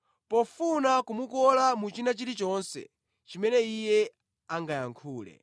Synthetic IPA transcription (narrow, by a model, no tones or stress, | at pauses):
pɔfunakumukɔlamut͡ʃinat͡ʃiɾit͡ʃɔnsɛ̰ | t͡ʃimɛnɛijɛ | aŋɡajaŋkʰuːlɛ̰